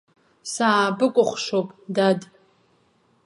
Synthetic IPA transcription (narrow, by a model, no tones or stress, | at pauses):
sabɨkʷʼʊχʷʂowpʼdad